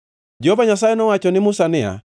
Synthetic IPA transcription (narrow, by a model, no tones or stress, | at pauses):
d͡ʒehovaɲasajɛnɔwat͡ʃɔnɪmusanɪa̰